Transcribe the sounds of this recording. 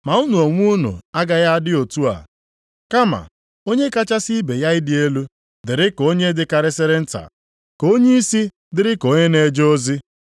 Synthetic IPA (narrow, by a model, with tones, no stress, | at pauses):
ma˨u˦nu˨o˨ŋʷu˦nṵ˨a˦ɡa˦ja˦a˦dɪ˦o˨tu˦a̰˨ | ka˦ma̰˨ | o˦ɲe˦ka˦t͡ʃa˦si˦be˨ja˦ɪ˦dɪ˦e˦lu˦ | dɪ˨ɾɪ˦ko˦ɲe˦dɪ˨ka˨ɾɪ˦sɪ˦ɾɪ˦n̩˦ta̰˨ | ko˦ɲe˦i˦si˦ | dɪ˦ɾɪ˦ko˦ɲe˦ne˨d͡ʒo˦zi˦